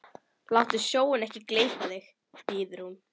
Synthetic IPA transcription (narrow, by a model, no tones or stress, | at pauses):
lawht̪ʏsjoːwɪnɛhcɪkleːjp̪aðɪx | piːðɪɾhun